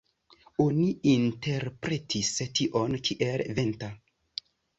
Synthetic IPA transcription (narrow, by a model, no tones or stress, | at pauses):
oniinte̞ɾpɾe̞tʰistiʔo̞nkʰiʔelve̞nta